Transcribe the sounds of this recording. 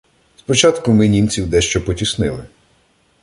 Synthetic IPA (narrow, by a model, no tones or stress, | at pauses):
spɔt͡ʃɑt̪kʊmɪnʲint͡sʲiwd̪ɛʃt͡ʃɔpɔtʲisnɪlˠɪ